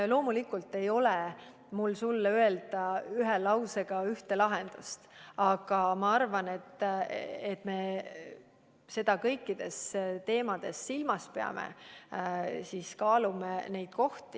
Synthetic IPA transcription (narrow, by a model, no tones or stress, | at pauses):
lo̞ːmulikːˑult̪ːe̞jo̞le | mulsulːøe̞ld̪̥ɑyɦelɑwse̞ɡ̥ɑyht̪e̞lɑɦend̪̥ust̪ɑɡ̥ɑmɑɑrvɑne̞t̪ː | et̪ːˑme̞ | se̞d̪̥ɑkɤjkːˑid̪̥e̞st̪e̞ːmɑd̪̥e̞sːilmɑspeɑ̰mʔḛ | siːskɑːlumene̞jd̪̥̚ko̞ht̪i